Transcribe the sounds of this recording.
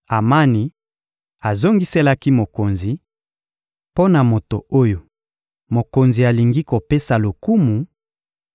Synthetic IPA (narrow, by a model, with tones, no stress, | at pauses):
a˨ma˦ni˨ | a˨zo˦ŋɡi˦se˦la˦ki˦mo˨ko˨nzi˨ | po˦na˨mo˨to˨o˦jo˨ | mo˨ko˨nzi˨a˨li˨ŋɡi˦ko˨pe˦sa˨lo˨ku˦mu˨